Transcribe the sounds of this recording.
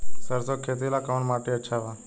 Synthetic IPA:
səɾsokʰeːt̪ilakawɳʈmaːʈiɐtːʃʰaʋa

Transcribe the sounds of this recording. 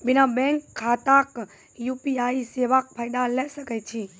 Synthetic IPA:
binabɛ̃ŋkʰːat̪ak | jupiaiseʋak̚pʰajd̪alɛsəkɛt͡ʃʰi

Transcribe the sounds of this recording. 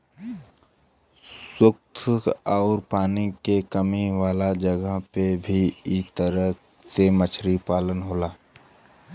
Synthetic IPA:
swʊk̚t̪ʰɔːɾpaːnikekəmiʋaːlad͡ʒəɡəɦpebʱiit̪əɾə | semət͡ʃʰɾipaːlənɦoːlaː

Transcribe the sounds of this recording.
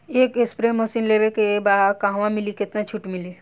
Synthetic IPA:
eːkespɾemosinleːbekebaɦkãːɦʋãmɪlikɪt̪nat͡ʃʰʊʈmɪli

